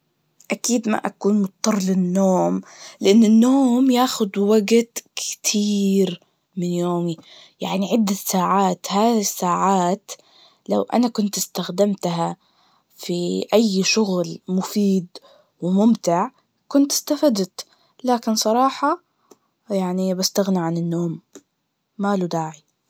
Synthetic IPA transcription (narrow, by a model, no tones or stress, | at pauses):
ʔakiːd̪ma̰ʔa̰kuːnmʊt̪̚ˤːɑrˤːlɪnːoːmlɪʔɪnːɪnːoːmjaːxʊd̪waɡt̪kɪ̥t̪ʰiːɾ | mɪnjoːmi | jaʕniʕɪd̪ːasaːʕaːt̪haːɪsːaːʕaːt̪ | la̰wʔa̰nakʊnt̪ɪ̥st̪axd̪amt̪ɦa | fiʔajːʃʊɣlmʊfiːd̪ | wɪmʊmt̪ɪʕ | kʊnt̪ɪ̥st̪afad̪t̪ | laːkɪnsˤɑɾˤɑːħɑ | jaʕnibast̪aɣniʕanɪnːoːmː | aːlud̪aːʕi